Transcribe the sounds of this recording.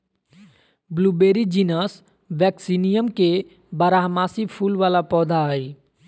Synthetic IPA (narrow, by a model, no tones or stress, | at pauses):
bluːbeːɾid͡ʒiːnəs | ʋɛːksinijəmke | bəɾaːɦmaːsipʰuːlʋaːlapɔːd̪ʱai